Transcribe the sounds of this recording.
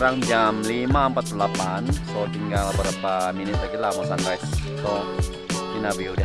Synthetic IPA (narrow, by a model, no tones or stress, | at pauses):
ɾaŋd͡ʒamlimaəmpat̪̚plapansodəŋɡalbəɾapaminɪt̪akilamɔŋsantɾast̪ɔ | ninabiuda